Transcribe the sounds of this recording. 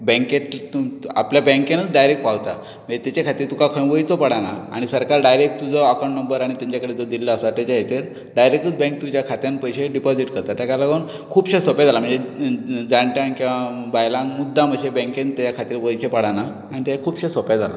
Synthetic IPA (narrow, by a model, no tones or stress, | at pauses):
bɛ̃ŋket̪a̰pljabɛ̃ŋkenət͡sɖajɾekʈpawt̪a | mə̃ɳd͡zet̪jat͡ɕakʰat̪iːɾt̪ukakʰə̃ʋəjt͡sɔpəɽanaa̰ɽ̃isəɾkaɾɖajɾek̚ʈt̪ːud͡zəakəɳʈnəmbəɾaɽ̃it̪jaɲt͡ɕakəɽed͡zəd̪illəːsat̪jat͡ɕaɦet̪eɾ | ɖajɾek̚ʈət͡sbɛ̃k̚t̪ud͡ʑakʰat̪jãnpəjɕeɖipɔd͡ziʈkəɾt̪at̪jakalaɡən | kʰuːbɕẽsɔpad͡zʱalam̤əɳd͡zed͡zaɳʈjãnkĩʋabajlãŋmud̪ʱːam̤əɕebɛ̃ŋkent̪ːat͡ɕakʰat̪iːɾʋəjt͡ɕepəɽana | aɽ̃it̪eakʰuːbɕesɔpjad͡zʱala̰